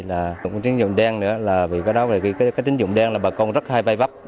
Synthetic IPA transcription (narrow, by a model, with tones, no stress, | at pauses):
laː˨˩˨ŋkt͡ɕi˨˦əŋzʊ̰˧˨ŋ͡mɗɛ˧ŋnɨ̰˧˥əlaː˨˩vi˨˩kaː˨˦jɗɔ˨˦ve˨˩ki˧˩kaː˨˦kaː˨˦jt̪i˨˦ŋzʊ̰˧˨ŋ͡mɗɛ˧ŋlaː˨˩ɓaː˨˩kɔ˧nzə˦˥t̚haː˧jvaː˧jva˦˥p̚